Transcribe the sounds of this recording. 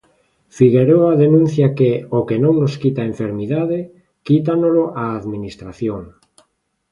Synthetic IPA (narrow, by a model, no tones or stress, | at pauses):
fiɣeɾoaðenũn̟θjakeokenõŋnoskit̪aeɱfeɾmiðaðɪ | kit̪anoloʔaːðminist̪ɾaθjoŋ